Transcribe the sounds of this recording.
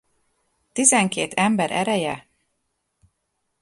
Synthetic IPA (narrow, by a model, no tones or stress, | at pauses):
t̪izɛŋkeːt̪ɛmbɛɾʔɛ̰ɾɛjɛ